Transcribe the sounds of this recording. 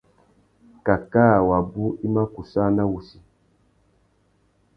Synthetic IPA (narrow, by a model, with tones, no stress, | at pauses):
ka˨kaː˦˨wa˨bu˦i˦ma˦ku˨sa˦na˦wu˨si˨